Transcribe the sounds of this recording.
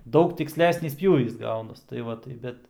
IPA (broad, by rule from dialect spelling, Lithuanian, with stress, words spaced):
ˈdɐʊk tʲɪksʲˈlʲæːsʲnʲiːs ˈpʲjuːʋʲiːs ˈɡɐʊnɐs tɐɪ ˈʋɐ tɐɪ ˈbʲɛt